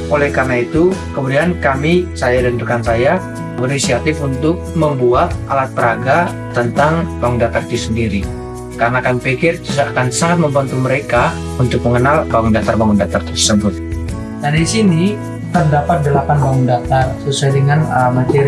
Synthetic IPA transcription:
ʔolɛhkarnait̪ukəmudiankamisajadənt̪ukansaja | bərnisiat̪ɪfunt̪ʊk̚məmbuat̪̚ʔalat̪̚pəɾaɡa | t̪ənt̪aŋbaŋundat̪art̪isəndiɾi | karnakamipikɪrt͡ʃusakansaɦt̪̚məmbant̪uməɾeka | unt̪ʊk̚məŋənalbaŋʊndat̪arbaŋundat̪art̪ərsəbʊt̪̚ | dadisini | t̪ərdapat̪̚dəlapanbaŋundat̪arsəsuajdəŋanəmat̪eɾ

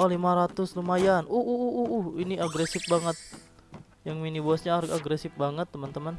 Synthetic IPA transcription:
ʔɔlimaɾat̪ʊslumajanʔuhʔuɦuʔuʔuhiniaɡɾesɪfbaŋət̪̚ | jaŋminibuasɲaːɡaɡɾesɪfbaŋət̪ːəmənt̪əmən

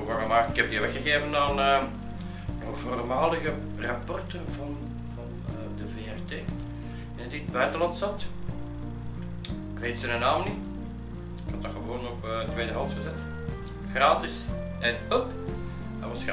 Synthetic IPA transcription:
ʋarɣəmaːktɪkɛb̚diʋɛxəɣeːvənaːnə | nɔχvoːrmaːlˠəɣə | rɑpɔrtənvɑn | vɑnː | dəveːɛrteː | ɪnədid̚bœɥtəlɑntsɑt | ɪkʋeːtsənənaːmni | ɪkɑdaɣəʋoːnɔpətʋeːdəɦɑlˠsxəzɛt | xraːtɪs | ɛnœpː | ʋɑs

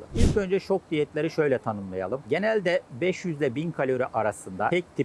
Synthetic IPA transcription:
ɯilʲcø̞nd͡ʒɛt͡ʃʰo̞k̚d̪ijɛt̪lʲeɾiʃø̞jlʲɛt̪ʰanɯmlˠaja̰lˠɯmɟe̞nælʲd̪ɛbɛʃjyzlʲɛbinkʰalʲoɾyʔaɾasɯnd̪aɛc̚t̪ʰi

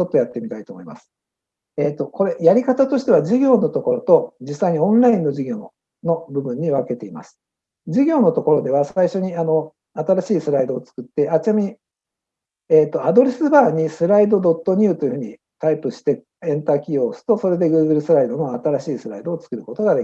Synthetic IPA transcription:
t͡ɕo̞t̪ːo̞jat̪ːe̞mʲit̪ait̪o̞ːmo̞ima̰sɨ̥ | e̞ːt̪ːo̞ko̞ɾe̞jaɾʲikat̪at̪o̞ɕi̥t̪e̞β̞aʑiɡʲo̞ːno̞t̪o̞ko̞ɾo̞t̪o̞d͡ʑisːaiɲ̟iõ̞nɾaĩnːo̞ʑiɡʲo̞ | no̞bɯ̟bɯ̟̃ɲ̟ːiβake̞t̪e̞ima̰sɨ̥ | d͡ʑiɡʲo̞ːno̞t̪o̞ko̞ɾo̞d̪e̞βasaiɕo̞ɲ̟iano̞ | at̪aɾaɕiːsɨɾaid̪o̞ːt͡sɨ̥kɯ̟t̪ːe̞at͡ɕinamʲii | eːt̪ːo̞ad̪o̞ɾe̞sɨbaːɲ̟isɨɾaid̪o̞d̪o̞t̪ːo̞ɲ̟ʲɯ̟ːt̪o̞jiɯ̟hɯ̟ɲ̟i | t̪aipɯ̟ɕi̥t̪e̞ | ẽ̞nt̪aːkʲioːsɨ̥t̪o̞so̞ɾe̞d̪e̞ɡɯ̟ːɡɯ̟ɾɯsɨɾaid̪o̞no̞at̪aɾaɕiːsɨɾaid̪o̞ːt͡sɨ̥kɯ̟ɾɯ̟ko̞t̪o̞ɡad̪ekʲi

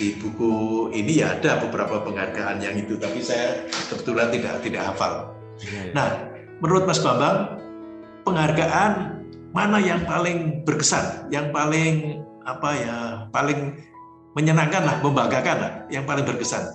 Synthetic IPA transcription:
ib̥ukuinija̰ːdabəbəɾapapəŋharɡaʔanjaŋit̪ut̪apisajasəbət̪ulant̪ida̰ʔt̪idaʔhafa̰l | nah | mənuɾʊt̪̚pmasɡambaŋ | pəŋarɡaʔan | manajaŋpalɪŋbərkəsa̰njaŋpalɪŋ | apajapalɪŋ | məɲənaŋkanlahməmbaɡakanla̰hjaŋpalɪŋbərkəsa̰n

